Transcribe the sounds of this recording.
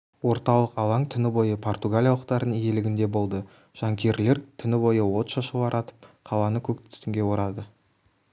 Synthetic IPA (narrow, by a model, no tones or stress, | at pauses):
wo̞ɾt̪ɑlˠəqɑlˠɑŋt̪ʰʏnɪbo̞jəpʰo̞rt̪uɡalʲijaɑlˠəqt̪ɑɾd̪ənije̞lɪɡʲɪnd̪e̞bo̞lˠd̪ə | ʒ̥ɑŋkʲe̞ɾle̞ɾt̪ʰʏnɪbo̞jəwo̞t̪ʃɑʃəlˠɑɾʔɑt̪ə̥p̚qʰɑlˠɑnəkʲʰɵk̚t̪ʰɪ̥st̪ɪŋɡʲe̞wo̞ɾɑd̪ə